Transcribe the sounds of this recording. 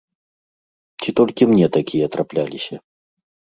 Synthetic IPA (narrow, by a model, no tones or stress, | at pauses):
t͡sʲit̪ɔlʲkʲimnʲɛt̪akʲijɐt̪ɾaplʲalʲisʲɐ